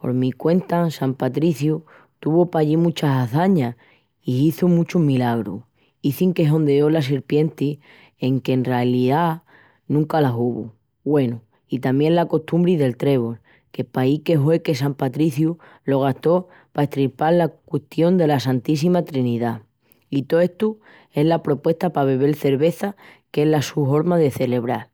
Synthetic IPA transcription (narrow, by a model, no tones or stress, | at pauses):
po̞̰ɾmikwe̞nt̪asampat̪ɾiθju | t̪uβopaʎimũt͡ʃasaθaɲa | iiθumũt͡ʃuɦmilaɣɾṵ | iθiŋke̞ɦõ̞nd̪eo̞las̬iɾpje̞nt̪i | e̞ŋke̞ːnrealiða | nũŋkalaɦuβṵ | βwe̞nu | it̪amjẽ̞nlako̞ht̪umbɾiðe̞lt̪ɾe̞β̞ol | ke̞paike̞ɦwe̞ke̞sampat̪ɾiθju | lo̞ɣ̞ast̪o̞ | paeht̪ɾilpaɾlakwe̞ht̪jo̞nd̪e̞lasant̪is̬imat̪ɾiniða | it̪oe̞ht̪u | e̞ɦlapɾo̞pwe̞ht̪apaβe̞βe̞lθe̞ɾβe̞θa | ke̞ɦlasuɦo̞ɾmaðe̞θe̞le̞β̞ɾal